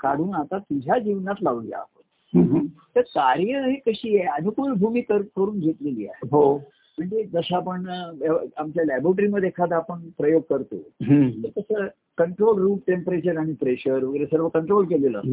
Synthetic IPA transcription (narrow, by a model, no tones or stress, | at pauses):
kaɽ̤uːnat̪at̪id͡ʑʱad͡ʑiʋnat̪laʋlja̰a̰ɦo̰t̪̚ | t̪əɾkaɾjəɦekəɕiːjeanukulbʱumiːkəɾkəɾuːnd͡ʑʱet̪leliːa̰ɦeɦo | m̤əɳd͡zed͡zəsaapəɳəamt͡ɕjalæboʈ̬əɾiməd̪ekʰat̪apəɳpɾəjoɡ̚kəɾt̪o̰ɦt̪əɾk̪əsəː | kəɳʈɾolɾuːʈʈempəɾet͡ɕəɾaɽ̃ipɾeɕəɾʋəɡɾesəɾʋ̤əkəɳʈɾolkelelə̰ː